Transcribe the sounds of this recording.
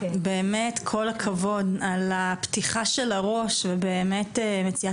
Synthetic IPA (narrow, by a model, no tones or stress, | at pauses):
be̞ːmetkʰo̞lakʰavo̞dalaptiχaʃelaʁo̞ʃvebeːmetemet͡sia